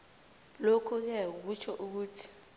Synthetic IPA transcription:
lokʰuk̬ɛk̬ut͡ʃʰɔʔuk̬uːtʰi̥

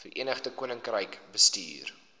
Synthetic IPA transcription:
fərʔiənəχdəkuənəŋkrəjkbəstḭːr

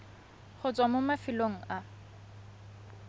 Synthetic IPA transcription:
χʊt͡sʼwamʊmafɪloŋ̩ʔa

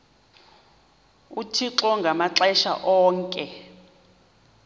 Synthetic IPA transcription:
utʰiǁɔŋɡʱamaǁɛʃa̰ʔɔːŋkʼɛ

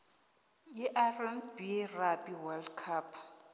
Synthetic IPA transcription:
jiʔarɛmbirabiwaldkʰapʰ

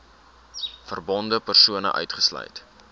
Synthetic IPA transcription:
fərbɔndəpərsuənə̰ʔœ̰ɥtχəslœ̰jt

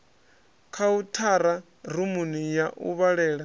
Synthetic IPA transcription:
kʰautʰaɾa | rumunijaʔṵβaɺɛːɺa

